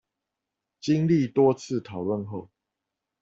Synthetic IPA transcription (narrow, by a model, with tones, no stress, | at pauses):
t͡ɕi˦ŋli˥˨t̪wɔ˦t͡s̩ʰ˥˨t̪ʰɑ˨˩ʊlwə˥˨nxo˥˨ʊ